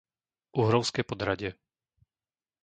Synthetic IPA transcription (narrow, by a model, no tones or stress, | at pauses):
ʔuɦɾɔʊskɛːpɔd̪ɾaɟɪɛ